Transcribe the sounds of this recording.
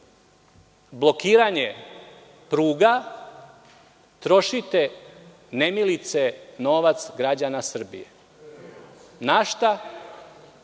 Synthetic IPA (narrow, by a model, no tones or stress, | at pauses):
blˠo̞kiːɾaɲe | pɾuːɡa | t̪ɾo̞ʃit̪e | ne̞milit̪seno̞ːʋat̪sɡɾad͡ʑanasr̩bijḛ | naʃt̪a